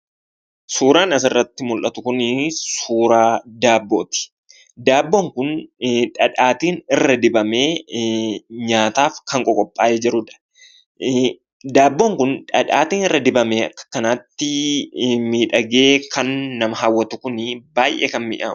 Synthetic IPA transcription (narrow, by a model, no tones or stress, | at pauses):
suːɾaːnɐs̬ɪrːɐt̪ːɪmʊlʔɐt̪ʊkʊnsuːɾaːd̪aːbːo̞ːt̪ɪ̥ | d̪aːbːoːŋkʊnᶑɐᶑaːt̪iːnɪrːɐd̪ɪbɐme̞ː | ɲaːt̪aːfkɐŋkʼɔkʼɔpʼːaːʔed͡ʒɪɾːʊᶑ̪ɐ̥ | d̪aːbːo̞ːŋkʊnᶑɐᶑa̰ːt̪iːnɪrːɐd̪ɪbɐmeːɐkːɐ̥kɐnaːt̪ːɪ | miːᶑɐɡe̞ːkʰɐnːɐmɐɦaːwːɐt̪ʊkʊnɪbaːjʔḛːkɐnmɪ̰ʔaː